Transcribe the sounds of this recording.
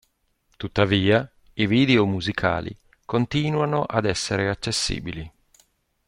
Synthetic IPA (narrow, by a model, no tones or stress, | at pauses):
t̪ut̪ːaviːa | iviːd̪eomuzikʰa̰ːlḭ | kont̪iːnwanoʔad̪ɛsːeɾeat͡ʃːesːḭːbili